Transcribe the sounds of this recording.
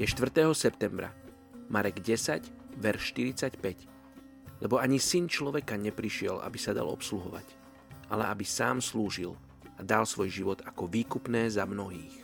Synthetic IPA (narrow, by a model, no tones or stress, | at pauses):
jɛʃt̪ʋr̩t̪ɛːɦɔsɛpt̪ɛmbɾa̰ | maɾɛɡɟɛsaɟʋɛɾʃːt̪iɾit͡sacpɛc | lʔɛbɔaɲisint͡ʃlɔʋɛkaɲɛpɾiʃɪɛlʔa̰bisad̪a̰lɔ̰psluɦɔʋa̰c | ʔa̰lɛʔabisaːmsluːʒil | ad̪alsʋɔjʒiʋɔd̪akɔʋiːkupnɛːzamnɔɦiːx